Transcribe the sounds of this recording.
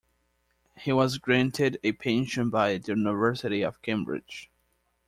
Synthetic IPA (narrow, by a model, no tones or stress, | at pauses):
hiwʌzɡɹæ̃ntʰɪɾɨpʰẽnʃɨ̃nbaɪðɨjʉnəvɜ˞sɨɾiʌv̥kʰẽmbɹɪ̰d̥d͡ʒ̥